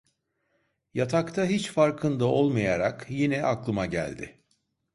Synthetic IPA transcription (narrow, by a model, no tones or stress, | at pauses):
jat̪ʰakt̪ʰaɦit͡ʃfaɾkʰɯnd̪ao̞lˠmajaɾakjinɛʔaklˠɯmaɟæ̰lʲd̪ɪ̰